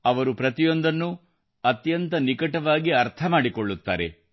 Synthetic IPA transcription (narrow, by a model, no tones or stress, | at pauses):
ɐʋɐɾupɾɐt̪ijo̞nd̪ɐnːu | ɐt̪jɐnt̪ɐnikɐʈɐʋaːɡiɐɾt̪ʰɐmaːɽikoɭːut̪ːa̰ːɾḛ